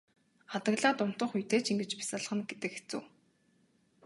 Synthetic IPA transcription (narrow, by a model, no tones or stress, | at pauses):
χat̪ə̆ɣɮəːt̪ʊm̥t̪ə̆χujt̪eːt͡ɕiŋɡɘ̆t͡ɕpi̥săɮ̆χə̆nɡet̪ɘ̆kxe̥t͡sṵ̆ː